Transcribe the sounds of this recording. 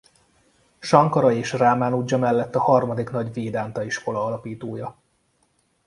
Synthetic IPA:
ʃɒŋkɒɾɒeːʃraːmaːnuɟːɒmɛlːɛt̪ːɒhɒrmɒd̪iknɒɟveːd̪aːnt̪ɒiʃko̞lɒɒlɒpiːt̪oːjɒ

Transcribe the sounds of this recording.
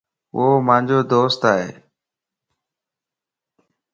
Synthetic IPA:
oːmãːd͡ʑoːd̪oːst̪aːɦḛː

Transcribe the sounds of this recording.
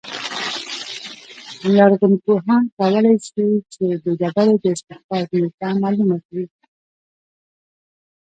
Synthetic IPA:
laɾɣʊnkoɦɑnkawəlajsit͡ʃed̪əd͡ʒabaɾod̪əɪst̪ɪxbɑt̪net̪amɑlumakawi

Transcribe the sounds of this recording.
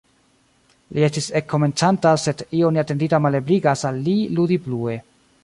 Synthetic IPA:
lʔie̞stise̞kʰːo̞me̞nt͡santase̞dioniate̞nditamale̞bliɡasalːiludiblue̞

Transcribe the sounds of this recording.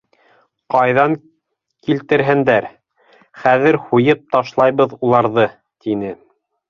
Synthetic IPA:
qɑjðɑŋ | kilt̪ɘ̆ɾɦɘ̆nd̪æɾ | χæðɘɾhujɤp̚t̪ɑʃlˠɑjβɤðulˠɑɾðɤ | t̪inɘ

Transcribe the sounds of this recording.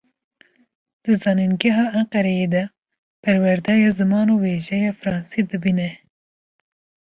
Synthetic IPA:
d̪̥ɨzɑːninɡɛɦɑːʔæɴqɛɾɛjed̪ɛ | pʰɛɾwɛɾd̪ɑjɑːzɨmɑːnoːweːʒɛjɑːfɾɑːnsid̪ɨbiːnɛ

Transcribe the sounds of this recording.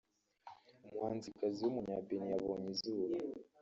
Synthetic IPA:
umŋaːnzikaziwumuɲaːbenijaβo̞ːɲizuːɾa

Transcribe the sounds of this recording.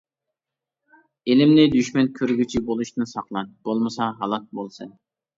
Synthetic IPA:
elɪmnɪd̪yʃmɛnkʲʰøɾɡʲyt͡ʃʰibolˠuʃt̪ɨnsɑqlˠɑnb̥olˠmɨsɑɦɑlˠɑt̪̚bolˠsɨn

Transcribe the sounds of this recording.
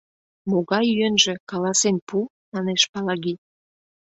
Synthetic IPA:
moɣɑjyenʒĕkɑlɑsenpu | mɑneʃpɑlɑɣi

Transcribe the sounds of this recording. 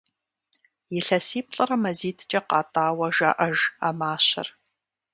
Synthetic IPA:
jɪɬɐsiːp̚ʰɬʼɐɾɐmɐziːtʰt͡ʃʼɐqɑːtʼaːwɐʒa̰ːʔɐʒa̰ːmaːɕɐ̰r

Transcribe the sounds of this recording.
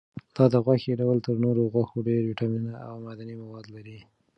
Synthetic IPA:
d̪̥ɑd̪əɣwaxeɖawlt̪əɾnoɾoɣwaxoɖeɾiʈɑminaawmad̪animawɑd̪laɾi

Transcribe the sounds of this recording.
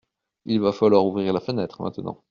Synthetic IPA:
ilvafalwaʁuvʁiʁlafənɛt̪χəmɛ̰̃t̪ənɑ̰̃

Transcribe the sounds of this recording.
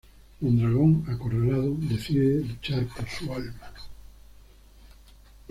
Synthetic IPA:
und̪ɾaɣ̞oŋakorelaðoðe̞θiðelut͡ʃaɾpoɾsualma

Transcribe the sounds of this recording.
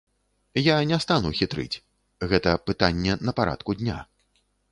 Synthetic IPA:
janʲɛst̪anuxʲit̪ɾɨ̰t͡sʲ | ɣɛt̪ɐpɨt̪anʲːɛnɐpaɾʔa̰t̪kud̪ʲnʲa̰

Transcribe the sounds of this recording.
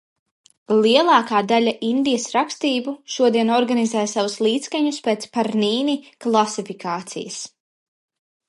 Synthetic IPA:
liɛlˠɑːkaːd̪alʲaʔind̪ijəsɾakst̪iːbuʃuɔd̪iɛnɔɾɡanizɛːjsavuslˠiːt̪skaɲuspeːt̪spaɾniːniklˠasifikʰaːt̪sḭjɐs

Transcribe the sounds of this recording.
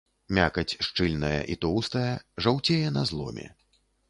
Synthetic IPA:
mʲakɐt͡sʲʂt͡ʂɨlʲnɐjɐ̰ʔit̪ɔwst̪ɐjɐʐawt͡sʲejɛnɐzlˠɔ̰mʲɛ̰

